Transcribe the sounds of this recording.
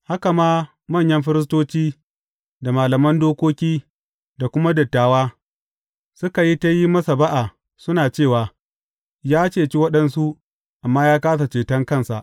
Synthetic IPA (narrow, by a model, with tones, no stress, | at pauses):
ha˦ka˨maː˦ | mɐ˦˨ɲjɐ˦mɸɪ˦ɾɪ˦s̬toː˦t͡ʃʲiː˦ | da˨maː˨lɐ˨mɐ˦ndoː˦kʷoː˦kʲiː˦ | da˨kʷʊ˦ma˦dɐ˨tːaː˨waː˦ | sʊ˦ka˨ji˦ta˦ji˦mɐ˦sa˨ba˦ʔa˨ | sʊ˦naː˨t͡ʃeː˦˨waː˨ | jaː˦t͡ʃeː˦˨t͡ʃi˦wɐ˦ɗɐ˦nsu˦ʔ | ʔa˨mːaː˦jaː˦kaː˦s̬a˨t͡ʃeː˨tɐ˦ŋkɐ˦˨nsa̰˨ʔ